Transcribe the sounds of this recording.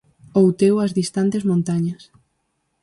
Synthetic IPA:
owt̪ewɐzðist̪ant̪ezmõnt̪aɲɐs

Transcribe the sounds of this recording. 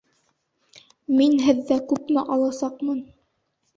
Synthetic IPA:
minɦɘ̆ðːækʉpmɘʔɑlˠɑsɑqmɤn

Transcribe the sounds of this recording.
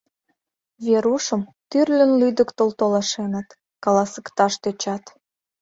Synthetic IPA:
βeɾuʃəmt̪yrlʲə̆nlyd̪əkt̪olt̪olɑʃenə̆t̪ | kɑlɑsə̥̆kt̪ɑʃt̪øt͡ɕɑt̪

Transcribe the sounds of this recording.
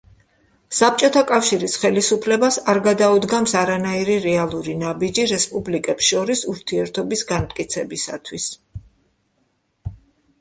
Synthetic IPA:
sap̚t͡ʃʼɔt̪ʰakʼafʃiɾisχɛlisupʰlɛbasaɾɡad̪aud̪ɡamsaɾanaiɾiɾɛalˠuɾinabid͡ʒiɾɛspʼublikʼɛpsʃɔɾisuɾt̪ʰiɛɾt̪ʰɔbisɡant̪ʼkʼit̪sʰɛbisa̰t̪ʰwis

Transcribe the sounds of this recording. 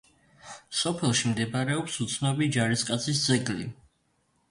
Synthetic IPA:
sɔpʰɛlˠʃimd̪ɛbaɾɛɔpsut̪sʰnɔbid͡ʒaɾiskʼat̪sʰis̬d̪zɛɡlḭ

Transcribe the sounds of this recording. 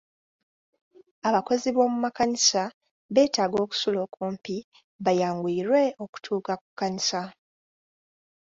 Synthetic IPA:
aβako̞ziβo̞ːmumakaɲisa | βe̞ːtaːɡo̞ːku̥sulo̞ːkʰuːmpi | βajaːŋɡwiːɾwe̞o̞ku̥tʰuːkaku̥kːaɲisa

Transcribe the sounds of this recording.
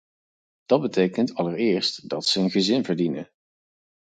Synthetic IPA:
d̥ɑd̚bətejkəntɑləɹɪːɹstd̥ɑtsəənχəzɪnvəɹdinə

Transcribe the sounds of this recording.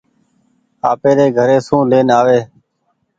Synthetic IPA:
a̰ːpeːɾeːɡʱəɾeːsũːleːnaːʋeː

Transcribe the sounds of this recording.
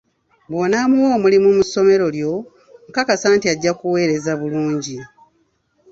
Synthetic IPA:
bwo̞namuwo̞ːmulimumuso̞me̞ɾo̞ljo̞ | mukakasaːntiaɟːakuwe̞ːɾe̞zaβuluːɲɟi

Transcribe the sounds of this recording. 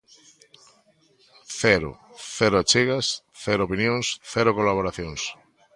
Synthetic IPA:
θɛɾo̰ | θɛɾʊat͡ʃiɣasθɛɾoopinjõŋsθɛɾokolaβ̞oɾaθjõŋs

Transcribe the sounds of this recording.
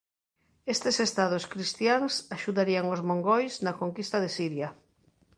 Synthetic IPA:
est̪esest̪að̞oskɾist̪jaŋsaʃuðaɾiaŋozmõŋɡojsnakoŋkist̪aðesiɾja

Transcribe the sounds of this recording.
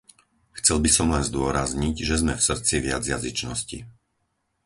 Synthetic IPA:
xt͡sɛlbisɔmlɛnzd̪ʊɔɾazɲiɟʒɛzmɛfsr̩t͡siʋɪa̰d͡zjazit͡ʃnɔscḭ

